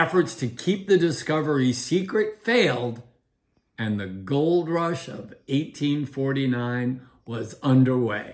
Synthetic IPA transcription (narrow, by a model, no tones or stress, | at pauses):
ɛfə˞tstʰɨkʰip̚ðɨdɨskʌvə˞isikɹɨtfeɪlˠd | ɨ̃nðɨɡoʊlˠd̚ɹʌʃʌveɪtʰĩnfɔɹɾinãɪ̃n | wʌzʌ̃ndə˞weɪ